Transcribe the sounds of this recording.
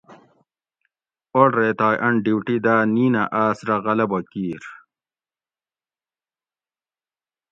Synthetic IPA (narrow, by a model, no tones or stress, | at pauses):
oɽɾeːt̪aːjʔɐɳɖiwʈid̪aːniːnɐʔaːsɾɐɣɐlɐbɐkiːɾ